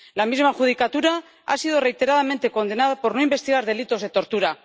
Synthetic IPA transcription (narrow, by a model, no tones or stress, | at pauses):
lamizmaxuð̞ikat̪uɾa | a̰sið̞o̞re̞jt̪e̞ɾaðame̞nt̪e̞ko̞nd̪e̞naðapo̞ɾno̞imbe̞st̪iɣ̞aɾð̞e̞lit̪o̞zðe̞t̪o̞ɾt̪uɾa